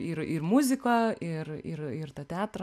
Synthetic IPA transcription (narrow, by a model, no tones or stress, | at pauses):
ɪɾɪrmʊzʲɪkoːɪrɪ̰ɾɪrt̪ɐt̪ʲæːt̪ɾɐ